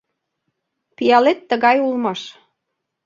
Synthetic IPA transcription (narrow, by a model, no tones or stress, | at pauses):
pijɑlet̪ːə̆ɣɑjulmɑʃ